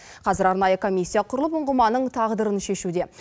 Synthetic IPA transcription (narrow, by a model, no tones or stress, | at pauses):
qʰɑzɪɾɑɾnɑjəkʰo̞mʲijsʲːijaqʰʊɾəlˠəpʊɴʁəmɑnːəɴt̪ʰɑʁd̪əɾənʃe̞ʃud̪e̞